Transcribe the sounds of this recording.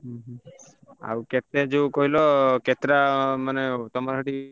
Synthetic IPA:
ɦɦ | a̰wket̪ed͡ʒeukoɦilɔket̪ɾamanet̪ɔmaɾɦɔʈi

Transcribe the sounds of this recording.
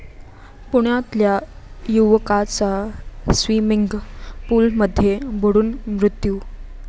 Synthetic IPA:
puɽ̃at̪lja | juʋkat͡sasʋimiŋɡpuːlməd̪ʱːjeboɽuːnmɾut̪ju

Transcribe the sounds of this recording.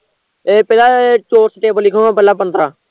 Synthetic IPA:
eːpɛːlaːet͡ʃoːɾsʈeːbəlːɪkʰõãːpɛːlãːpənd̪ɾaː

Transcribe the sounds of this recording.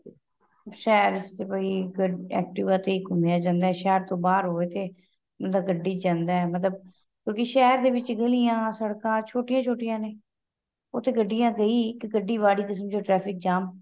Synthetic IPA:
ʃɛːɾɪsepaːiːɡəɛ̰ːk̚ʈɪʋãːt̪eːɪkʊmjaːd͡ʒãːnd̪aːɛːʃɛːɾt̪õːbaːɾɦoːeːt̪eː | mət̪ləbɡəɖːiːd͡ʒãːnd̪aːɛːmət̪ləb̚ | kjõːkiʃɛːɾd̪eːbɪt͡ʃɡəlijãːsəɽkãːt͡ʃʰoːʈɪjãːt͡ʃʰoːʈɪjãːneː | oːt̪eːɡəɖːɪjãːɡəiːɪkɡəɖːiːʋaːɽiːkəs̬əmd͡ʒoːʈɾɛːpʰɪk̚d͡ʒaːm

